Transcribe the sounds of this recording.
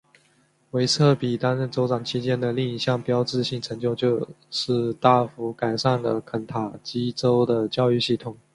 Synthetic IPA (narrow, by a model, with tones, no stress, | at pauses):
we˧˥ɪt͡sʰɤ˥˩pi˨˩t̪a˥nɻə˥˩nt͡so˧˥ʊʈ͡ʂɑ˨˩ŋt͡ɕʰi˥t͡ɕjɛ˥nd̪ə˨li˥˩ŋi˧˥ɕjɑ˥˩ŋpjɑ˥ʊt͡sɻ̩˥˧ɕi˥˩ŋʈ͡ʂʰɤ˧˥ŋt͡ɕjo˥˧ʊt͡ɕjo˥˧ʊ | ʂɻ̩˥˧t̪a˥˩fu˧˥ka˨˩ɪʂa˥˩nlə̰˩kʰə˨˩nt̪ʰa˨˩t͡ɕi˥t͡so˥ʊd̪ə˨t͡ɕjɑ˥˧ʊy˥˧ɕi˥˩t̪ʰʊ˨˩˦ŋ